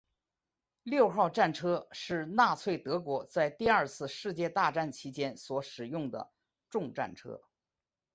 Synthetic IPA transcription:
ljo˥˧ʊxɑ˥˧ʊʈ͡ʂa˥˩nʈ͡ʂʰɤ˥ʂɻ̩˥˧na˥˧t͡sʰwe˥˩ɪt̪ɤ˧˥kwɔ˧˥t͡sa˥˧ɪt̪i˥˧ɐ˞˥˧t͡sʰɹ̩˥˧ʂɻ̩˥˧t͡ɕjɛ˥˧t̪a˥˧ʈ͡ʂa˥˩nt͡ɕʰi˧˥t͡ɕjɛ˥nswɔ˧˥ʂɻ̩˨˩jʊ˥˩ŋd̪ə̰˩ | ʈ͡ʂʊ˥˧ŋʈ͡ʂa̰˥˩nʈ͡ʂʰɤ̰˥

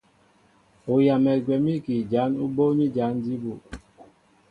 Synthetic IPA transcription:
o˨ja˨mɛ˨ɡwɛ˨mi˦ki˨d͡ʒa˨˦nu˦bo˦ɲi˦d͡ʒa˨˦n˦di˦bu˨

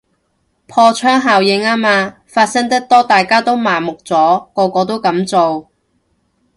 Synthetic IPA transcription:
pʰɔː˧t͡ʃʰœː˥ŋɦaː˨wjɪ˨˧ŋaː˥maː˧ | faː˧t̚sɐ˥ŋt̪ɐ˥k̚t̪ɔː˥t̪aː˨jkaː˥t̪o˥wmaː˨˩mʊ˨k̚t͡sɔː˨˥kɔː˧kɔː˧t̪̬o˥wkɐ˨˥mt͡so˨w

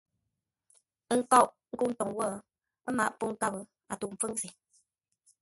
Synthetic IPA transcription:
ŋ̩˨kɔ˦˨ʔ | ŋ̩˦ku˦n̩˦tɔ˨ŋwɔ˦˨˦ | ma̰˨ʔpu˦ŋ˦ka˦bə˨ | a̰˨tu˨m̩˨fɨ˦ŋsi˨

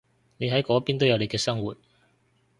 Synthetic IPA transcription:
ne˨˧jɦɐ˨˥jkɔː˨˥piː˥nt̪o˥wjɐ˨wle˨˧jkɛː˧sɐ˥ŋwuː˨t̚

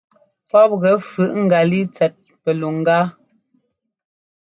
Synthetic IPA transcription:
pɔ˦p̚ɣɛ˨˦fʉ˨˦ʔŋ̩˦ɡa˨li˦t͡sɛ˨t̚ | pɛ˨lu˨ŋ˦ɡaː˦

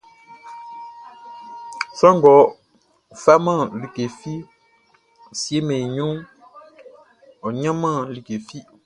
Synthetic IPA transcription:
sɔ˦ŋ˨ɡɔ˨˦˨ | fa˦mã˦˨li˨ke˨fi˦˨ | sje˦me˨ɲu˦ũ˦ | ɔ˨ɲã˦mã˦˨li˨ke˨fi˦

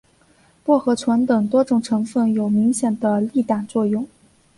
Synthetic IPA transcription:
pwɔ˥˩xɤ˧˥t͡sʰwə˧˥nt̪ɤ˨˩ŋt̪wɔ˥ʈ͡ʂʊ˨˩ŋʈ͡ʂʰɤ˧˥ŋfə˥˩njo˨˩ʊmi˧˥ŋɕjɛ˨˩nd̪ə˦li˥˩t̪a˨˩nt͡swɔ˥˧jʊ˥˩ŋ

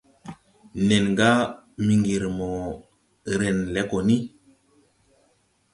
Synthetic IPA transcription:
ne˨nŋɡa˦ | mi˨ŋɡi˨ɾmo˨ | ɾe˨nlɛ˨˦ko˨ni˦

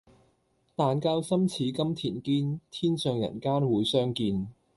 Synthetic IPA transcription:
t̪aː˨nkaː˧wsɐ˥mt͡sʰiː˨˥kɐ˥mt̪ʰḭː˨˩nkiː˥nt̪ʰiː˥nsœː˨ŋjɐ̰˨˩nkaː˥nwuː˨˥jsœː˥ŋkiː˧n

